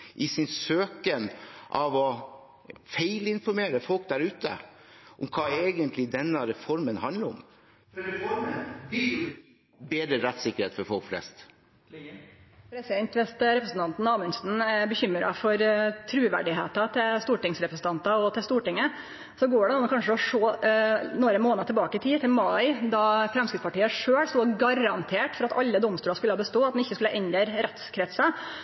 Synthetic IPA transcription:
ʔɪsɪnsøːkənʔɑʋɔ | feɪlɪnfɔɾmeːɾəfɔlk̚d̪æɾʉːt̪ə̰ | ʔʊmkʰɑːeːɡənt̪lɪd̪ɛnːəɾɛfɔɾmənhɑnd̪ləɾʊ̰m | beːd̪ɾəɾɛt̪sɪkːəɾheːt̪fɔɾfɔlkflɛ̰st̪ | pʰɾɛsɪd̪ɛnt̪ʋɛst̪ɾɛpɾəsn̩t̪ɑnt̪n̩ɑːlmənsn̩ɛbəçʏmːɾɑ̰fɔɾt̪ʰɾʉːʋæ̰ɖɪɦḛːt̪ɑt̪ʰɪlst̪uːʈɪŋsɾɛpɾəsn̩t̪ɑnt̪ɑɔt̪ʰɪlst̪uːʈɪŋːə | sɔɡoːɖɛnuːʊkʰɑnʂəɔʂoːnoːɾəmoːnɑt̪ʰɛlbɑːkəɪt̪ʰiːt̪ʰɪlmɑɪd̪ɑfɾɛmskɾɪt̪spɑʈiːəʂøːɽst̪uːɡɑɾɑnt̪ʰeːʈfɔɾɑt̪ɑlːəd̪ɔmst̪ʉːɾɑskʉlːɑbəst̪oːɑt̪d̪ɛnɪçːəskʉlːəʔɛnd̪əɾɾɛt̪skʰɾɛt̪sɑ

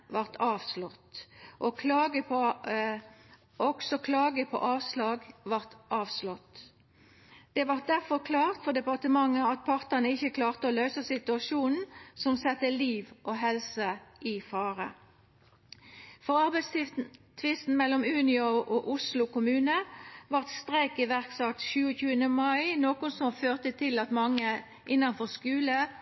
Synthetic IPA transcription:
ʋɑʁt̪ʰɑːʋslɔt̪ʔɔkʰlɑːɡəpʰɔ | ɔksɔkʰlɑːɡəpʰɔ̰ʔɑːʋslɑːɡʋɑʁt̪ʔɑːʋslɔt̪ | d̪̥ɛʋɑʁt̪̚d̪æʁfɔʁkʰlɑːʁt̪fɔʁd̪ɛpɑʁt̪əmɑŋːəɑt̪̚pʰɑʁt̪ənəɪçːəkʰlɑːʁt̪əɔːlœʏsəsɪt̪ʉɑʃuːnn̩sɔmsɛt̪ːəliːʋʔoːɦɛlsəʔɪfɑːʁə̰ | fɔʁɑʁbæɪstɪt̪ʰʋɪst̪n̩mɛlːɔmʉːnɪʊʔoʔʊslʊkʊmʉːnəʋɑʁt̪st̪ʁeɪkɪʋæʁksɑkt̪çʉːəçʉːənəmɑɪnoːkʊnsɔmføːʁt̪ət̪ʰɪlɑt̪mɑŋːə | ʔɪnːɑnfɔʁskʉːlə

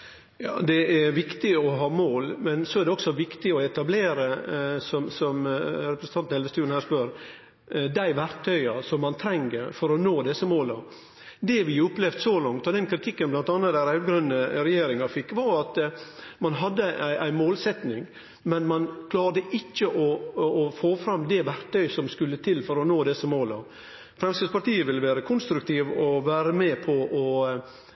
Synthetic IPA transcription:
jɑ̰ːd̪ɛæɾʋɪkt̪ɪɔɦɑːmoːlmɛnsɔæɾɖ̪ɛɔksɔʋɪkt̪ɪɔɛt̪ɑbleːɾəsɔmsɔmɾɛpɾəsn̩ɑnt̪nɛlʋəst̪ʉːən̩hæːɾʂspœɾ | d̪æɪʋæɾkt̪ʰːœʏɑsɔmːɑnt̪ʰɾɛŋɡəɾfɔɾɔnoːd̪ɛsːəmoːlɑ | d̪ɛʋɪʊpːlɛʋd̪sɔlɑŋt̪ɔd̪ɛnkʰɾɪt̪ʰɪkːənblɑnt̪ɑnːɑt̪d̪æɾæɡɾʉnːəɾɛjeːɾɪŋɑfɪkːʋɑɾɑt̪mɑnɦɑd̪ːəʔæɪʔæɪmoːlsɛt̪nɪŋ | mɛnmɑnkʰlɑːɾd̪əʔɪt͡ʃːəʔɔːfoːfɾɑmːd̪ɛʋæɾt̪œʏsɔmskʉlːət̪ʰɪlfɔɾɔnoːd̪ɛsːəmoːlɑ̰ | fɾɛmsəspɑʈ̪iːəʋɪləʋæːɾəkʰʊnst̪ɾʉk̚t̪ʰiːʋɔʋæːɾəmɛːpʰɔʔɔ

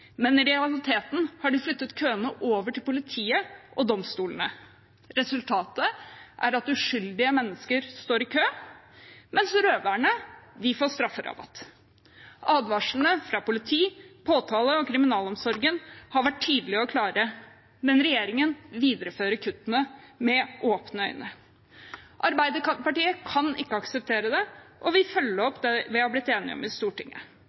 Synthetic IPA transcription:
mɛnɪɾɛɑlɪt̪ʰeːt̪n̩hɑɖɪflʏt̪ːət̪kʰøːənəʔoːʋəʈɪlpʊlɪt̪ʰiːəʔɔd̪ɔmst̪uːlənə | ɾɛsʉlt̪ʰɑːt̪əʔæ̰ɾɑt̪ʉʂʏld̪ɪəmɛnːəskəɾst̪oːɾɪkʰøː | mɛnsɾøːʋæɳəd̪ɪfoːʂt̪ɾɑfːəɾɑ̰bɑ̰t̪ | ʔɑːd̪ʋɑʂn̩əfɾɑpʊlɪt̪ʰiːpʰoːt̪ʰɑːləɔkʰɾɪmɪnɑːlɔmsɔɾɡənhɑɾʋæʈʰːyːd̪l̩ɪɔkʰlɑːɾə | mɛnɾɛjeːɾɪŋənʋiːd̪əɾəføːɾəkʰʉt̪ːənəmɛʔoːpnəœʏnə | ʔɑɾbæɪd̪əpɑʈiːəkʰɑnɪkːəɑksəp̚t̪ʰeːɾəd̪ɛʔɔʋɪfœlːəɾɔpd̪ɛʋɪhɑblɪt̪ːeːnɪ̰ɔ̰mɪst̪uːʈɪŋːə̰

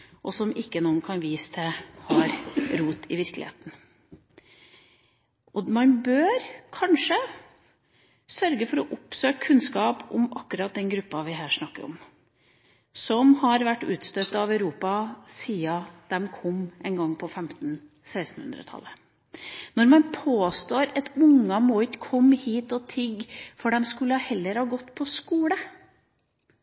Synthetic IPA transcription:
ʔɔsɔmɪkːənuːənkʰɑnʋiːsə̥t̪ʰəhɑɾɾuːt̪ʰɪʋɪɾklɪ̰ḛːt̪n̩ | ʔɔmɑnbøːɾkʰɑnʂə | sœɾɡəfɔɾɔʔʊpsøːkkʰʉnskɑːpʊmɑkːʉɾɑt̪̚d̪ɛnɡɾʉpːɑʋɪɦæːʂnɑkːəɾɔ̰m | sɔmhɑɾʋæʈːʉːt̪st̪œt̪ːəɑʋæʉɾuːpɑsiːɑd̪̥ɛmkʰɔmːʔɛnɡɑŋːpʰɔfɛmt̪n̩ | sæɪst̪n̩hʉ̰nd̪ɾə̰t̪ʰɑ̰lːə | nɔɾmɑnpʰoːst̪oːɾɛt̪ʊŋːɑmɔʏt̪kʰɔmːhiːt̪ɔt̪ʰɪɡfɔɖɛmskʉlːəɑhɛlːəɾhɑːɡɔt̪ːpʰɔskuːlə

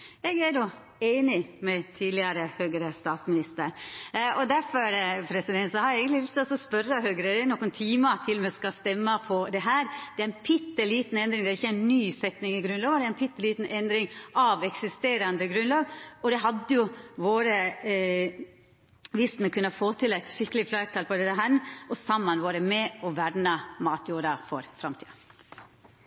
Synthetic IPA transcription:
ɛːɡænʊ | eɪnɪmɛt̪ʰiːd̪lɪɑɾəhøːɡəɾəst̪ɑːt̪smɪnɪst̪əɾɔd̪æɾfɔɾɾpʰɾɛsɪd̪ɛnt̪sɑhɑɾjeɡəlɪlʏst̪ɔsɔspœɾːəhøːɡəɾəd̪ɛnɔkːənt̪ʰiːmɑt̪ʰɪlmɛskɑst̪ɛmːɑpʰɔd̪ɛɦæːɾd̪ɛæɾæɪnpʰɪt̪ːəliːt̪n̩ɛnd̪ɾɪŋd̪ɛæɾɪçːəæɪnːyːsɛt̪nɪŋɪɡɾʉnlɑːʋɑd̪ɛæɪnpʰɪt̪ːəliːt̪n̩ʔɛnd̪ɾɪŋɑʋɛksɪst̪eːɾɑnd̪əɡɾʉnlɑːɡɔd̪ɛɦɑd̪ːəjʊʋoːɾə | ʋɪst̪mɛkʰʉnɑfoːt̪ʰɪlæɪt̪ʃɪkːəlɪflæɪɾt̪ʰɑlpʰɔd̪ɛt̪ːəɦænɔsɑmːɑnʋoːɾəmɛɔʋæɾnɑmɑːt̪ʰjuːɾɑfɔ̰ɾfɾɑmt̪ʰḭːɑ

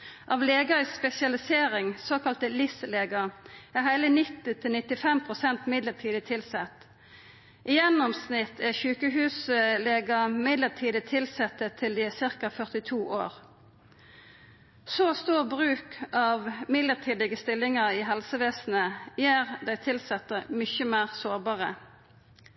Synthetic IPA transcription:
ʔɑːʋleːɡɑɪspɛsɪɑlɪseːʁɪŋsoːkɑlt̪əlɪsəleːɡɑæɦæɪlənɪt̪ːɪt̪ʰɪlnɪt̪ɪfɛmpʰʁʊsɛnt̪mɪd̪ləʁt̪ʰiːd̪ət̪ʰɪlsɛt̪ː | ʔɪjɛnːɔmsnɪt̪ʰːæçʉːkəɦʉːsəleːɡɑmɪd̪ləʁt̪ʰiːd̪ət̪ʰɪlsɛt̪ːət̪ʰːɪld̪iːɛsɪʁkɑfœʁt̪ɪt̪ʰuːʔo̰ːʁ | soːst̪uːbʁʉːkɑːʋmɪd̪ləʁt̪ʰiːd̪ɪɡəst̪ɪlːɪŋɑʁɪɦɛlsəʋeːsn̩əjæːʁd̪æɪt̪ʰɪlsɛt̪əmʏçəmæːʁsoːʁbɑːʁə

